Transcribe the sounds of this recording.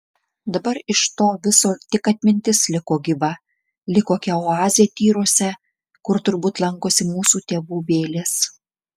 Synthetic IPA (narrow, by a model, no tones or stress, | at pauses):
d̪ɐbɐɾɪʃt̪oːʋʲɪsoːt̪ʲɪkɐt̪ʲmʲɪnʲt̪ʲɪslʲɪkoːɡʲɪbɐ | lʲɪkoːkʲɛoɑːzʲɪjɛt̪ʲiːɾoɔsʲɛ | kʊɾt̪ʊɾbuːt̪lˠɐŋkoːsʲɪmuːsuːt̪ʲeːʋuːbʲeːlʲes